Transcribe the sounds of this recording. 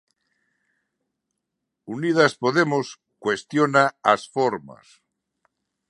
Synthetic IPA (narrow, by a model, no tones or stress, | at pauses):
unið̞aspoðemos | kwest̪jonaasfoɾma̰s